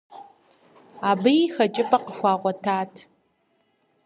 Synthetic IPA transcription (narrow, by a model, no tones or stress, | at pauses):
aːbɨjixɐt͡ʃʼɪpʰʼɐqəxʷɑːʁʷɔtʰaːtʰ